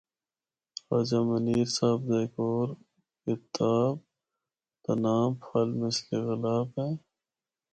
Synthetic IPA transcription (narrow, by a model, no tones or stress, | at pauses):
xaːd͡ʒamɐniːɾsaːbd̪akoːɾ | kɪt̪aːb̚ | t̪ɐnaːmfɐlmɪskeɣɪlaːbɦẽː